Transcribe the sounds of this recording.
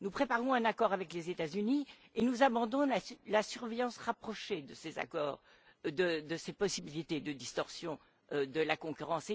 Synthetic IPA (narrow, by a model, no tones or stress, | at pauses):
nupχepaʁɔ̃ɛ̃nakɔʁavɛklezet̪azyni | enuzabɑ̃d̪ɔ̃lalasyʁvejɑ̃sʁapχɔʃed̪əseza̰kɔ̰ːʁ | d̪əd̪əsepɔsibilit̪ed̪əd̪ist̪ɔʁsjɔ̃ | d̪əlakɔ̃kʲyʁɑ̃se